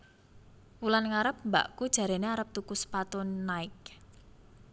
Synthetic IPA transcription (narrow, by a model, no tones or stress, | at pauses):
wulanŋaɾəp̚mba̰ʔkud̥ʒ̥ä̤ɾeneaɾəp̚t̪ukʊspat̪ʊnːaɪk̚